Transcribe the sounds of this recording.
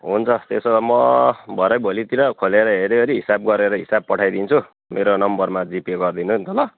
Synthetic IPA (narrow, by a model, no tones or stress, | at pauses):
ɦunt͡sʰʌt̪esomʌbʱʌɾʌjbʱolit̪iɾʌkʰoleɾʌɦeɾeʌɾiɦisab̚ɡʌɾeɾʌɦisab̚pʌʈʰajd̪int͡sʰu | meɾonʌmbʌrmad͡zipeɡʌrd̪inunt̪ʰʌlʌ